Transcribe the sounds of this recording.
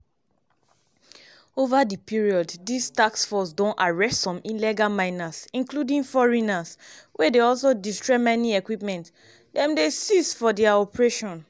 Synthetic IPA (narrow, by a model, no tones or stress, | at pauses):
ovadipiɹiɔddistaksfɔsdõnaɹɛstsɔ̃mĩnlɛɡamãɪ̃nasĩnkludĩŋfɔɹinaswʔɛdeɔls̬odistɹɛmɛniɛkwipmɛ̃nt | dɛ̃mdesisfɔdɛaɔpɹeʃɔ̃n